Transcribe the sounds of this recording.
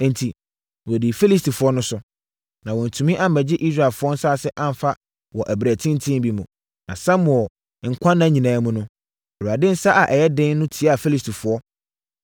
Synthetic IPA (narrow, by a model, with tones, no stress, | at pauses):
n̩˨tʰi˨ | wɔ˨di˨fi˦li˦sti˨fʊ˨ɔ˦nʊ̃˦sʊ˦ | nã˨wɔ̃˨n̩˨tʰũ˨mĩ˦ʔa˦m̩˨mæ˨d͡ʑɪ˦ʔi˦s̬ɾa˨fʊ˦ɔ˦n̩˦sa˦˨sɪ˦ʔã˦m˨fa˦ | wɔ˨ʔæ˨bɾæ˨tʰɪ̃˦n˦tʰĩ˦m˦bi˦mũ˨ | nã˨sã˦mʊ̃˨ɔ˨ | ŋ̩˨kʷʰã˦nːã˦ɲĩ˨nãː˨˦mũ˦nʊ̃˦ | ɔ˨ɾu˨a˨dɪ̃˦n̩˦sa˦ʔa˨ʔɛ˨jɛ˦dɪ̃˦nnʊ̃˦tʰi˨a˦a˨fi˦li˦stʰi˨fʊ˨ɔ˦